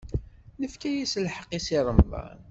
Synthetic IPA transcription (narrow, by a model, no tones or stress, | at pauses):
nəfkæjisəlħəqːisiɾˤəmðˤɑ̰n